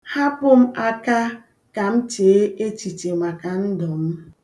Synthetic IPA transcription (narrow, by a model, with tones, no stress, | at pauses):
ha˦pʊ˦m̩˦ʔa˦ka˦ | ka˨m̩˦t͡ʃeː˨e˦e˦t͡ʃi˨t͡ʃe˨ŋʷa˨ka˨n̩˦dɔ˨m̩˦